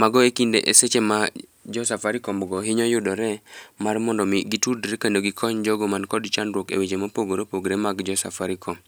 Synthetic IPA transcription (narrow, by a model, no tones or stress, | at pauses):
maɡɔekindḛʔeset͡ʃemad͡ʒɔsafaɾɪkɔmɔɡɔɦɪɲɔjʊdɔɾɛmarmɔndɔmɪɡitudɾekendoɡikʰɔɲd͡ʒɔɡɔmankɔdt͡ʃanɾwokḛwed͡ʒemapoɡoɾepoɡɾemaɡd͡ʒɔsa̰faɾikʰɔm